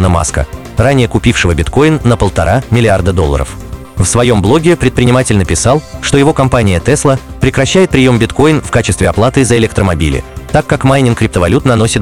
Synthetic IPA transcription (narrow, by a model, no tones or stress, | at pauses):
nəma̰skə̰ | ranʲɪjəkʊpʲifʂɨvəbʲɪt̪ko̞jɪnːəpəlˠt̪ɐ̰ɾʔamʲɪlʲɪard̪əd̪olˠːə̰ɾə̰f | fsvɐjo̞mblˠo̞ɡʲɪpɾʲɪt̪pɾʲɪnʲɪmatʲɪlʲnəpʲɪsɑlˠʂt̪o̞jɪvo̞kɐmpanʲɪjət̪ɛslˠəpɾʲɪkɾɐɕːæjɪt̪̚pɾʲɪjo̞mbʲɪt̪ko̞jɪnfkat͡ɕɪst̪vʲɪɐplˠat̪ɨzəɪlʲɛkt̪ɾəmɐbʲḭlʲɪ̰t̪akːakmajnʲɪnkɾʲɪp̚t̪əvɐlʲut̪nɐno̞sʲɪt̪